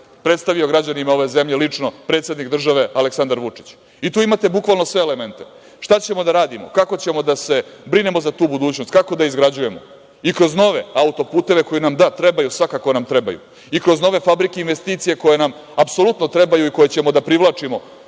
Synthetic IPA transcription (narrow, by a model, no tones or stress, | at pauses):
pɾe̞t̪st̪aʋio̞ɡɾad͡ʑanimao̞ʋe̞ze̞mʎe̞lit͡ʂno̞pɾe̞t̪sʲe̞d̪nikd̪r̩ʒaʋe̞aleksand̪aɾʋut͡ʂi̥t͡ɕ | it̪uːimat̪e̞bukʋalˠno̞sʋe̞ːlement̪e̞ | ʃt̪at͡ɕe̞mo̞d̪aɾaːd̪imo̰kako̞t͡ɕe̞mo̞d̪ase̞bɾine̞mo̞zat̪uːbud̪uːt͡ɕnost̪kako̞d̪aizɡɾad͡ʑuje̞mo̞̰ | ikɾo̞zno̞ʋe̞aut̪o̞puːt̪e̞ʋe̞ko̞jinamd̪at̪ɾebajusʋakako̞namt̪ɾe̞ba̰jṵ | ikɾo̞zno̞ʋe̞fabɾikeinʋest̪iːt̪sije̞ko̞je̞namapsolut̪no̞t̪ɾe̞bajuiko̞je̞t͡ɕe̞mo̞d̪apɾiʋlˠat͡ʂimo̞